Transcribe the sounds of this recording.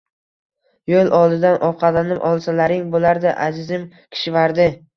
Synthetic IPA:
jolˠʔɒlˠd̪ɪd̪anʔɒqʰɑlanɪpʔɒlˠsalaɾɪŋbolaɾd̪aʔazɪzɪm | kʲʰɪ̥ʃɪvaɾd̪ɪ

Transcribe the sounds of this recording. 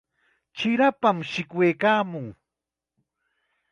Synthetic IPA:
t͡ʃɪɾapamʃɪkwejkaːmʊŋ

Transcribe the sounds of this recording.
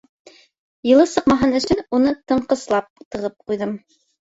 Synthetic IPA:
jɤ̆lˠɤsɤqmɑɦɤnɵ̆ʃɘnunɤt̪ɤ̆ɴqɤ̆slˠɑp̚t̪ɤ̆ʁɤp̚qujðɤm

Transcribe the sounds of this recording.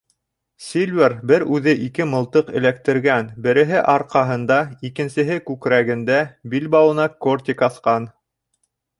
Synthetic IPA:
sʲilʲvʲerbɘɾʉðɘʔikɘmɤ̆lˠt̪ɤqɘ̆læk̚t̪ɘ̆ɾɡænbɘ̆ɾɘ̆ɦɘʔɑɾqɑɦɤ̆nd̪ɑikɘ̆nsɘ̆ɦɘkʉkɾæɡɘ̆nd̪æbilbɑwɤ̆nɑkort̪ʲikɑθqɑn

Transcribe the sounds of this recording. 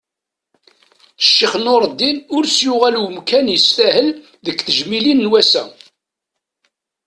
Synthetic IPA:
ʃːiχnoɾˤd̪ːinʊɾsjʊʁælwəmkænjəsθæhəl | ðəkːθəʒmilinːwæsæ

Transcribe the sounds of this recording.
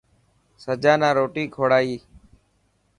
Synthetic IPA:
səd͡ʒaːnãːɾoːʈiːkʰoːɽaːiː

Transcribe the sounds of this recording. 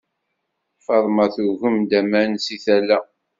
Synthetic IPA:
fɑðˤmɑθuɣəmd̪æmænsiθælːæ

